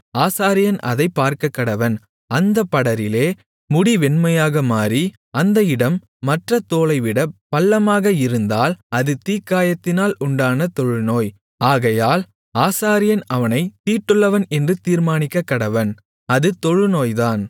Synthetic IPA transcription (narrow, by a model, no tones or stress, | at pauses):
aːsaːɾɪjɐnɐ̰ðɐɪpːaːɾkɐkːɐɽɐʋɐn | ɐnd̪ɐpːɐɽɐɾɪleː | mʊɽiʋɛnmɐjaːɣɐmaːɾi | ɐnd̪ɐɪɽɐmː | ɐʈrɐt̪ːoːlɐɪʋɪɽɐpɐlːɐmaːɣɐɪɾɯnd̪aːlɐðɯt̪iːkːaːjɐt̪ːɪnaːlʊɳɖaːnɐt̪ɔɻɯnoːj | aːɣɐjaːl | aːsaːɾɪjɐnɐʋɐnɐɪt̪iːʈːɯɭːɐʋɐnɛndrɯt̪iːɾmaːnɪkːɐkːɐɽɐʋɐn | ɐðɯt̪ɔɻɯnoːjðaːn